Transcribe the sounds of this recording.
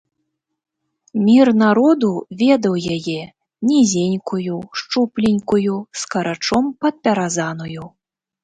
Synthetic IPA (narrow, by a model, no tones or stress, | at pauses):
mʲirnaɾɔd̪uvʲɛd̪ɐwjajɛ | nʲizʲenʲkujuʂt͡ʂuplʲinʲkujuskɐɾat͡ʂɔmpɐt̪̚pʲɛɾazanuju